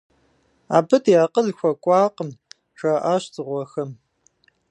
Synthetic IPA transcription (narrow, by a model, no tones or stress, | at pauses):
a̰ːbɨtjaːqəɮxʷɔkʷʼɑːqəm | ʃaʔaːɕt͡sʼɨʁʷɔxɐm